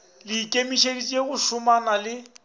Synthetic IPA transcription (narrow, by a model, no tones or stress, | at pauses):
lɪkʼemiʃedit͡ʃʼeɣʊʃʊmanalɪ